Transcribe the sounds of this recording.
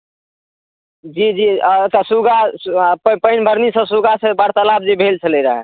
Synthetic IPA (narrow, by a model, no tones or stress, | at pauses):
d͡ʒid͡ʒit̪asuɡappəɪnbʱəɾnisə̃suɡasebaɽt̪əlab̚d͡ʒibʱelt͡ʃʰəleɾəɦɛ̰